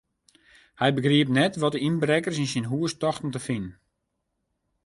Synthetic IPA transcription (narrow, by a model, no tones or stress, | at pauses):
hɛjbəɡriəp̚nɛtʋɔtəinbrɛkərsinsinɦuəstɔxtn̩təfinn